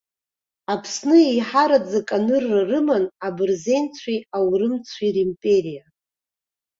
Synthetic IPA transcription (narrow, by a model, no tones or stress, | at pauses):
apʰsnɨejħaɾad͡zakʼanɨrːarɨmanabɨrze̞jnt͡sʷʰiawrɨmt͡sʷʰirimpʼe̞ɾija